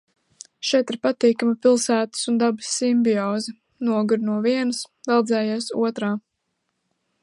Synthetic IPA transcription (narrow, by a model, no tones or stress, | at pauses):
ʃɛt̪iɾpat̪iːkamipʲilˠsæːt̪ə̥sund̪abɨsːimbʲiɔːzi | nuɔɡuɾnuɔviɛnɨs | d̪alˠd̪zɛːjaːsṵɔt̪ɾaː